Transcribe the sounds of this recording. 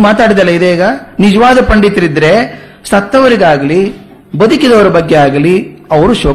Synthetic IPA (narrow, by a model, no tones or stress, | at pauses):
maːt̪aːɽid̪ɐlːɐid̪eiːɡɐnid͡ʒɐʋaːd̪ɐpɐɳɖit̪ɾid̪ɾe̞ | sɐt̪ːɐʋɐɾiɡaːɡɐli | bɐd̪ukid̪ɐʋɐɾɐbɐɡːe̞aːɡɐliɐʋɐɾuʃoː